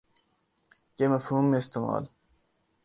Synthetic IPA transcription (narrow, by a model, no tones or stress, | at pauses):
kemɐfhuːmːeːst̪emɑ̰ːl